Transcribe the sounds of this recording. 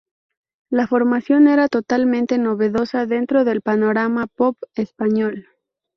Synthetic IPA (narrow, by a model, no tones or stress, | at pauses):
lafo̞ɾmasjo̞ne̞ɾat̪o̞t̪almẽnt̪e̞no̞βe̞ðo̞saðe̞nt̪ɾo̞ðe̞lpano̞ɾamapopespaɲo̞l